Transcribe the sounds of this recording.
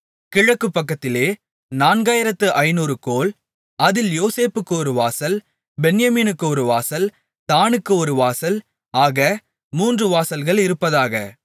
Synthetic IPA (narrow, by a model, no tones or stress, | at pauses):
kɪɻɐkːɯpːɐkːɐt̪ːɪleː | naːnɡaːjɪɾɐt̪ːɯʔɐɪnuːɾɯkoːl | ɐðɪljoːseːpɯkːɯɔɾɯʋaːsɐl | bɛnjɐmiːnɯkːɯɔɾɯʋaːsɐl | t̪aːnɯkːɯɔɾɯʋaːsɐl | aːɣɐ | muːndrɯʋaːsɐlɣɐɭɪɾɯpːɐðaːɣɐ̰